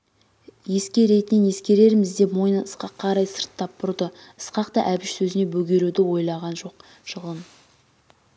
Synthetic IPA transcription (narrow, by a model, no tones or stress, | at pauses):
je̞skʲe̞ɾe̞t̪ɪnɪnje̞skʲe̞ɾe̞ɾɪmɪzd̪e̞mo̞jənəəsqɑqʰːɑɾɑjsəɾt̪ʰːɑppʰʊɾd̪ə | əsqɑqt̪ɑʔæbɪʃsɵzɪne̞bɵɡʲe̞ɾud̪ɪwo̞jlˠɑʁɑnʒo̞q | ʃəʁən